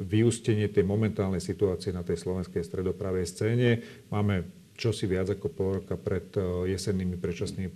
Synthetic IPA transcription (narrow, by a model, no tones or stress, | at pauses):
ʋiuscɛɲɪɛt̪ɛjmɔmɛnt̪aːlnɛjsit̪uaːt͡siɛnat̪ɛjslɔʋɛnskɛjst̪ɾɛd̪ɔpɾaːʋɛjst͡sɛːɲɛ | maːmɛ | t͡ʃɔsiʋɪad͡zakɔpɔlˠɾɔkapɾɛt̪jɛsɛnːimipɾɛt͡ʃasniːmip